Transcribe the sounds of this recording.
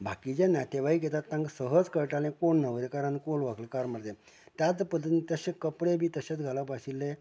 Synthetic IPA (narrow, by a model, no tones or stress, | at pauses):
bʱakid͡ʑẽnat̪eʋaiɡɛt̪at̪ːãŋɡsəɦəd͡zkəɾʈalẽkoɳnəʋɾekaɾãnkolʋakləkaɾməɾt̪ẽ | t̪jat͡spəd̪ːət̪it̪əɕekəpɽebʱiːt̪əɕat͡sɡʱalapaɕilːẽ